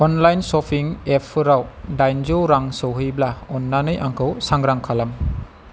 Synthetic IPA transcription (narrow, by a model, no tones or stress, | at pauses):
ɔnlajnsɔpʰiŋepʰɯɾawdajnd͡ʒoɾaŋsowɦɯjblaɔnːanɯjʔaŋkʰɯwsaŋɡɾaŋkʰalɐm